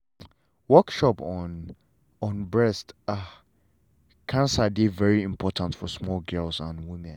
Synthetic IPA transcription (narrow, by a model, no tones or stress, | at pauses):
wɜkʃɔpɔn | ɔ̃nbɹɛsta | kʰãnsadevɛɹiɪ̃mpʰɔtʰãntfɔsmɔlɡɜlsãnwɪ̃mɛ̃n